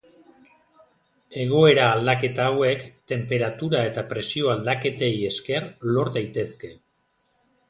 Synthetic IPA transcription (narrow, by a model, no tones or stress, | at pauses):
e̞ɣ̞o̞e̞ɾaːld̪ake̞t̪aːwe̞kt̪e̞mpeɾat̪uɾae̞t̪apɾe̞sio̞ald̪ake̞t̪e̞je̞ske̞rlo̞ɾd̪ajt̪e̞ske̞